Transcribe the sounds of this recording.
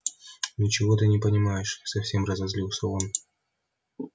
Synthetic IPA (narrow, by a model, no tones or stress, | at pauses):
nʲɪt͡ɕɪvo̞t̪ɨnʲɪpənʲɪmajɪʂsɐfsʲe̞mrəzɐzlʲilˠsʲəon